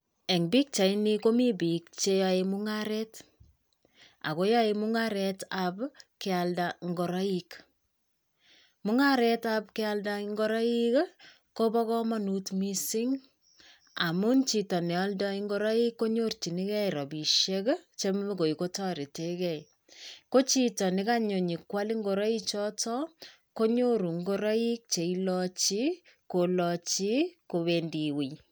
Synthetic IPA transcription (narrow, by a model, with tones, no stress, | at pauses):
e˨ŋbi˦k̚t͡ʃa˨i˦niko˦mi˦bi˨k̚t͡ʃe˦ja˧emu˦ŋaɾɛt | a̰˨ko˦ja˦emu˦ŋaɾɛtabkɪ˧aldaŋɡo˨ɾa˦ik | mu˦ŋaɾɛtapkɪaldaŋɡɔ˦ɾa˦i˦k | ko˦bɔ˦kɔ˦ma˦nutmisi˦ŋ | a˨mu˦nt͡ʃi˨tɔ˨nɛ˨a˦lda˦iŋɡoɾɔ˦i˦kːo˦ɲort͡ʃi˨ni˦kɛ˦iɾɔ˨bi˨ʃekt͡ʃe˦me˦ko˨i˨ko˦tɔ˦ɾi˨te˦kɛ˦˨j | ko˦t͡ʃi˦tɔ˨nɪ˦ka˦ɲo˨ɲi˨kwa˦li˦ŋɡo˨ɾɔ˦i˦t͡ʃɔ˦tɔ˦ | ko˦ɲo˦ɾu˨ŋɡo˦ɾɔ˦i˦k̚t͡ʃe˨ilɔt͡ʃi˦ | ko˨lɔt͡ʃi˦ko˨βendi˨wi˨j